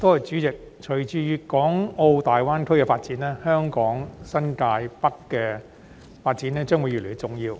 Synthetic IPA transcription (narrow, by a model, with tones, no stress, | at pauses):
t̪oː˥ɛ˨˩t͡ʃyː˨˥t͡sɪ˨k̚ | t͡ʃʰɵ˨˩ɥt͡ʃyː˧jyː˨˧kɔː˨˥ŋo˧wt̪aː˨jwaː˥nkʰɵ˥ɥkɛː˧faː˧t̚t͡siː˨˥nɛː˥hœː˥ŋkɔː˨˥ŋsɐ˥nkaː˧jpɐ˥kːɛː˧ | faː˧t̚t͡si˨˥nɛː˥t͡ʃœː˥ŋwuː˨˧jy˨˩le˨˩˥t͡sʊ˨ŋjiː˧w